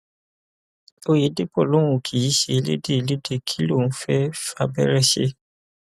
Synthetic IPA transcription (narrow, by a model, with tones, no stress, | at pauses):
o˦je˨˦de˦pɔ˦˨lo˦wũ˨kʰi˨ji˨˦ʃe˧˦lḛ˦de˦˨le˦de˦˨kʰi˦lõ˦˨˦fɛ˦fa˧bɛ̰˦ɾɛ˦ʃḛ˦